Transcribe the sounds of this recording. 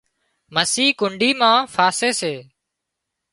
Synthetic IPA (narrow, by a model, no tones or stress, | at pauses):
məsiːkʊɳɖiːmãːfaːseːseː